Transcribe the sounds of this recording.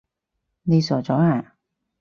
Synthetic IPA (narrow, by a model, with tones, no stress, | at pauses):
ne˧sɔː˨˩t͡ʃɔː˨˥˦aː˨˩